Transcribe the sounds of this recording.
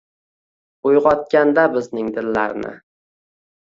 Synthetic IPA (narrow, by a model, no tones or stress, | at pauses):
ʊjʁɒt̪̚kʲand̪abɪznɪŋd̪ɪnlaɾnɪ̰